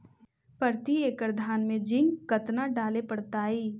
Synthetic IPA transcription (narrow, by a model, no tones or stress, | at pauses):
pəɾt̪ieːkɾd̪ʱaːnmẽd͡ʒɪ̃ŋɡkɐt̪naɖaːlepəɽt̪aːiː